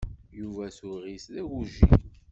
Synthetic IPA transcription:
juvæsuɾʁislæɡuʒḭ

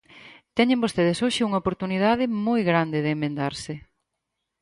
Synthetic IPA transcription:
t̪ɛɲẽmbost̪eðɪsoʃɪuŋɐopoɾt̪uniðaðɪmojɣɾand̪ɪðeːmːẽnd̪aɾsɪ

